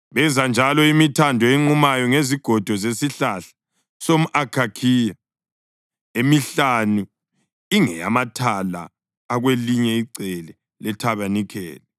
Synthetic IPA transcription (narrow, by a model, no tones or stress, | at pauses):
βɛnd͡zʱand͡ʒʱalɔimitʰandʱɔeŋ͡ǃumajɔŋeziɡ̥ʱɔd̥ʱɔzesiɬaɬḁ | som̩ʔakʰakʰiːja | emiɬanu | iŋɛ̰a̰matʰala̰ː | ɣweliɲɛiǀɛlɛ | lɛtʰaβanikʰɛ̰ːlɛ